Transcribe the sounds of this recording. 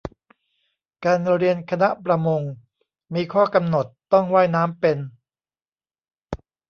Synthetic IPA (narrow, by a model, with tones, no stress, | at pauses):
kaː˧nɾi˧ənkʰa˧na˦˥ʔpɾa˧mo˧ŋ | miː˧kʰɔː˥˩ka˧mno˨˩t̪ːɔ˥˩ŋwaː˥˩jnaː˦˥mpe˧n